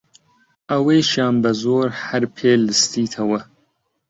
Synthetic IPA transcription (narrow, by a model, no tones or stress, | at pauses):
ɐweːʃaːnbɐzoːɾhɐɾpʰeːlɨst̪iːt̪ʰɐwɐ